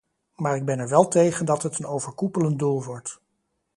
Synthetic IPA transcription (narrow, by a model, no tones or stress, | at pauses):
maːɹɪɡ̚bɛnɛɹʋɛlˠtejχəndɑtɦətənowvəɹkupələndulˠʋɔɹt